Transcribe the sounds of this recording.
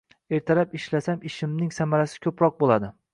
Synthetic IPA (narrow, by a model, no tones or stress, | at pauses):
eɾt̪ʰaɾapɪʃlasamɪʃɪmnɪŋsamaɾasɪ̥kʲʰɵpɾɒq̚bolˠad̪ɪ